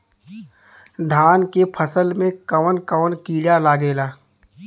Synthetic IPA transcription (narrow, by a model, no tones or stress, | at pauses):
d̪ʱaːnkepʰəsəlmẽkəʋənkəʋənkiːɽalaːɡeːlaː